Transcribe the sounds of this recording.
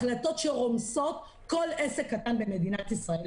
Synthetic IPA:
lato̞tʃeʁo̞mso̞t̪ | ko̞le̞sekːatanbe̞me̞dinat̪isʁael

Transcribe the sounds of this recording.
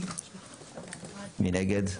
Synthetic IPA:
minɛɡɛd̪

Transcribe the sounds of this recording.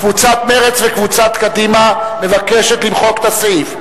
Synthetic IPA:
kvut͡sat̪meʁet͡svekvut͡sat̪kad̪imame̞vakeʃet̪limχo̞kt̪asif

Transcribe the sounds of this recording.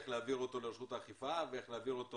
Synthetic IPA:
eχleaviʁo̞t̪o̞leʁeʃut̪aχifaveeχleaviʁot̪o

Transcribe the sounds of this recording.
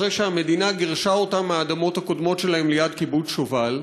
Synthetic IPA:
ʁejʃehame̞d̪inaɡiʁʃao̞t̪ameaːd̪amo̞t̪hako̞d̪mo̞tʃe̞lahemlejadkibut͡sʃoval

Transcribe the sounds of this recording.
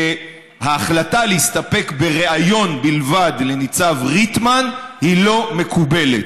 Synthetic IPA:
e | haːχlataleist̪ape̞kbe̞ʁeajo̞nbilvadle̞nit͡savʁitmanhilo̞me̞kʰube̞let

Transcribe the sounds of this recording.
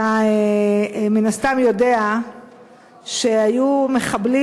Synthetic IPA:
a | menast̪amjo̞de̞a | ʃe̞ajumeχabli

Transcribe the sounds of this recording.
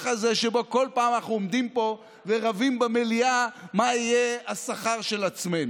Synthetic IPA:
χaze̞ʃeboko̞lpaːmanaχnuomd̪impo̞ | veʁavimbemeliamaijeasaχaʁʃe̞lat͡sme̞nu

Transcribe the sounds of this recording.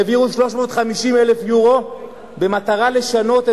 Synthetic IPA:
eviuʃlo̞ʃmo̞ːt̪χamiʃimele̞fjuʁo̞ | be̞mat̪aʁale̞ʃano̞t̪e

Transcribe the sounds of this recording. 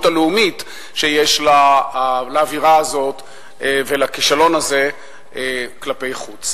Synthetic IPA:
taleumit̪ | ʃejeʃla | laːviʁaːzo̞t̪ | evelakiʃalo̞naze̞ | eklape̞jχut͡s

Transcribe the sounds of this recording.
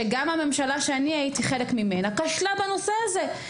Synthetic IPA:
eɡamhame̞mʃalaʃeaniaitiχe̞lekmime̞nakaʃlabano̞se̞aze̞

